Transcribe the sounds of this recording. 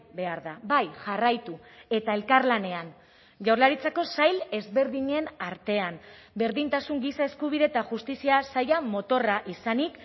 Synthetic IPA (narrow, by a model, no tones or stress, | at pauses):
be̞aɾðabajʝarajt̪ue̞t̪ae̞lkaɾlane̞an | ʝawrlaɾit͡sako̞sajle̞zβe̞ɾðiɲe̞naɾt̪e̞ambe̞ɾðint̪asuŋɡisae̞skuβiðe̞t̪aʝust̪isiasajamo̞t̪o̞raʔisanik